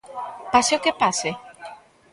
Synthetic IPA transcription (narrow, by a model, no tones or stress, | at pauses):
paseokepase